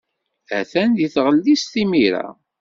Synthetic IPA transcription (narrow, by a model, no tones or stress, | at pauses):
æθænd̪iθʁəlːisθimiɾa̰